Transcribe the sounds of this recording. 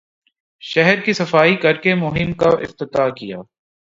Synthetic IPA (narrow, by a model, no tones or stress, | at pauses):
ʃɛɦɾkisɐfaːikɐɾkemʊɦɪmkaʔɪ̰ft̪ɪt̪aːkijaː